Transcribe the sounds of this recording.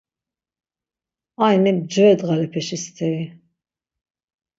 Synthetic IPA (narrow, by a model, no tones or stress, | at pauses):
ajmɛb̚d͡ʒɔɛd̪ɣalɛpʰɛʃist̪ʰɛɾi